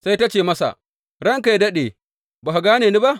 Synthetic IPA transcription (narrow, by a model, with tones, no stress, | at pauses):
sa˦jta˦t͡ʃeː˨mɐ˦sa̰˨ | ɾɐ˦ŋka˨dɐ˦ɗeː˨ | ba˨ha˨ɡaː˦neː˨ni˦ba˦ʔ